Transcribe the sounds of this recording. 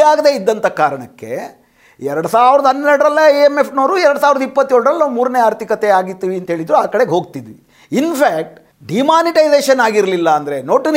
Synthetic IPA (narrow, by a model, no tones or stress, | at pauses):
aːɡd̪e̞ːid̪ːɐnt̪ʰɐkaːɾɐɳɐkːe̞̰ | ɛɾɐɽusaːʋiɾɐd̪ɐɦɐnːɛɾɽɾɐlːɐeemepʰno̞ːɾuɛɾəɽusaːʋiɾd̪ɐipːɐt̪ːjoːɭɽɾɐlːɐmuːɾɐne̞aːɾt̪ʰikɐt̪eaːɡit̪ːiʋiɐnt̪ɐɦe̞ːɭid̪ɾuaːkɐɽeɡɦoːɡ̚t̪id̪i | inpʰaːk̚ʈ | ɖimaːniʈɐjzeːʃɐnaːɡiɾlilːɐːnd̪ɐɾe̞noːʈin